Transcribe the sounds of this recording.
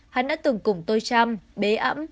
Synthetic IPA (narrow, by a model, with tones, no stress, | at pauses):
ha˧nɗa̰ː˧˥t̪ɨ˨˩ŋkʊ˨˩ŋ͡mt̪o˧jt͡ɕa˧mɓe˨˦ʔə̰˧˥m